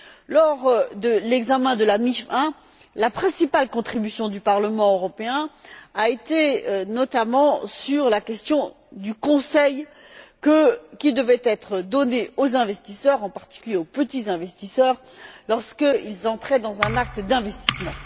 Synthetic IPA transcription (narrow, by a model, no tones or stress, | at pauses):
lɔʁd̪əlɛɡzamɛ̃d̪əlamifɛ̃ | lapχɛ̃sipalkɔ̃t̪χibysjɔ̃d̪ypaʁləmɑ̃øʁɔpeɛ̃aet̪enɔt̪amɑ̃syʁlakʲɛst̪jɔ̃ | d̪ykɔ̃sɛj | kəkʲid̪əvɛt̪ɛt̪χəd̪ɔneozɛ̃vɛst̪isœʁɑ̃paʁt̪i̥kʲyljeopət̪izɛ̃vɛst̪isœːʁ | lɔʁskəilzɑ̃t̪χɛd̪ɑ̃zɛ̃nak̚t̪əd̪ɛ̃vɛst̪i̥smɑ̃